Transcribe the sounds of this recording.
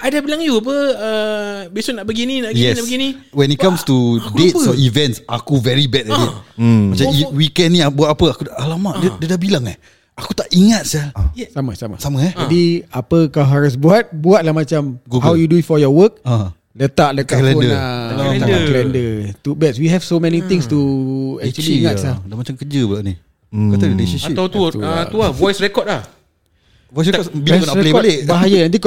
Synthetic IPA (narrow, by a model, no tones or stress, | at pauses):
adabilaŋjuap̬əəbesʊnaʔbəɡininajɛsbəɡinĩwɛnitkamstudet̚sɔivɛ̃ntsakuvɛɹibɛtɛtit̚mat͡ʃaiwikɛnniabuat̪apəakutaʔalamaʔdədədahbilaŋɛ̰h | akut̪aʔiŋat̪̚sasamasama̰saməɛd͡ʒadiapəkawɦaɾus̬buat̪̚buat̪̚laɦmat͡ʃamɡuhawjudutfɔjɔwək̚ | lət̪aʔləkalɛɔdnəəsamãkəlɛndət̪ubɛtswiɦɛvsomɛnit̪ɪ̃ŋst̪uɛk̚t͡ʃuəliiŋatsadamat͡ʃamkəd͡ʒəbulaʔni | kat̪adinesiʃiawt̪uauavɔjsɾɛkɔt̪̚lah | ɔjs̬ɛɔbiɔjsnaɾɛlebaleʔbbaɦajaãt̪ik